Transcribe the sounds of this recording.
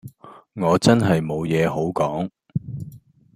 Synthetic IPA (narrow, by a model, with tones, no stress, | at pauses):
ŋɔː˨˧t͡sɐ˥nɦɐ˨jmo˨˧wjɛː˨˧ho˨˥wkɔː˨˥ŋ